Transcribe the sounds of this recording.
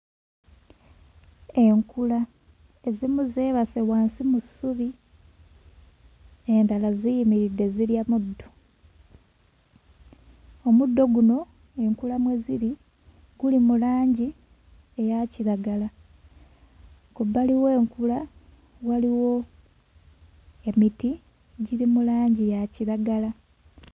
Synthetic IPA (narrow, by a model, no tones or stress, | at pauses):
e̞ŋkula | e̞zimuzeːβasewaːnsimusuβi | e̞ndalazijimiɾidːe̞ziɾjamudːo̞ | o̞mudːo̞ɡuno̞ | e̞ŋkulamweziɾi | ɡ̥ulimulaːɲɟi | ejaciɾaɡala | kubːaliweːŋkula | waliwo̞ | emiti | ɟiɾimulaːɲɟijaciɾaɡala